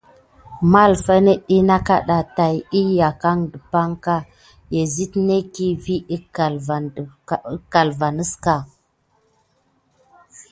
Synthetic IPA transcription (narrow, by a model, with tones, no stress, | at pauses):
ma˦lfa˦ne˦ɗi˦na˦ka̰˦ɗa˨ta˨ji˦ja˨ka˦ŋdə˨pa˦ŋka˦ | je˨zi˦tne˦ki˦vi˦i˦ka˨lva˨˦ka˨lva˨nə˦ska˨